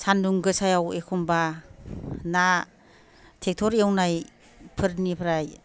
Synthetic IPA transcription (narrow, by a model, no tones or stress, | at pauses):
sʰanduŋɡɯsajawekʰumba | na | tʰek̚tʰɔɾjawnaj | pʰɯɾnipʰɾaj